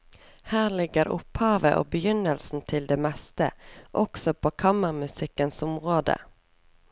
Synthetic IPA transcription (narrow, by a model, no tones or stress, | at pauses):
hæːʁlɪɡəɾʊ̰phɑːʋəʔo̰ːbəjʏnəlsn̩t̪ʰɪld̪eːmɛst̪ə̰ʔɔksɔpʰoːkʰɑməʁmʉsɪkːənsʊmʁoːd̪ə̰